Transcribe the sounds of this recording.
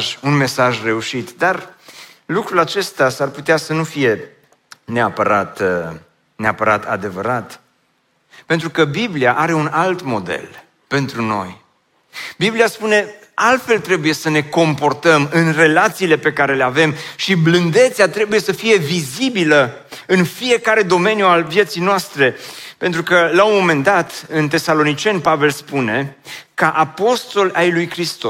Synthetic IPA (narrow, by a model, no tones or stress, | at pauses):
ʒunme̞saʒre̞uʃit̪d̪ar | lukɾulat͡ʃe̞st̪asarput̪easənufije̞ | neapəɾat̪ə | neapəɾa̰t̪a̰d̪e̞vəɾat̪ | pe̞nt̪ɾukəbibliaʔaɾe̞unalt̪mo̞d̪ḛl | pe̞nt̪ɾuno̞̰j | biblijaspune̞ | alt̪fe̞lt̪ɾe̞buje̞səne̞ko̞mpo̞rt̪əmɨnre̞lat̪siːle̞pe̞kaɾe̞le̞ave̞mʃiblɨnd̪e̞t̪seat̪ɾe̞buje̞səfije̞vizibilə | ɨnfije̞kaɾe̞d̪o̞me̞njualvje̞t̪sijnoast̪ɾe̞pent̪ɾukəlaonmo̞me̞nd̪at̪ɨnt̪e̞salo̞nit͡ʃe̞npave̞lspune̞kaʔapo̞st̪o̞lʔajlujkɾist̪o